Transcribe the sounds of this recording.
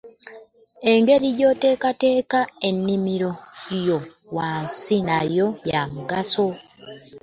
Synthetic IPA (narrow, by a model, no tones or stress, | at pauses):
e̞ŋɡe̞ɾiɟo̞ːte̞ːkate̞ːkae̞nːimiɾo̞jo̞ | waːnsinajo̞jamuɡaso